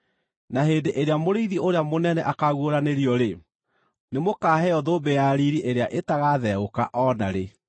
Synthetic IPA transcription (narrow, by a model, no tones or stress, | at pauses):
naheːndeʔeɾeamoɾeiðiʔoɾeamonɛnɛʔakaɣwoɾaneɾiɔɾe | nemokaːɦɛɔðoːbejaɾiɾiʔeɾeaʔetaɣaðɛoka̰ʔɔna̰ɾe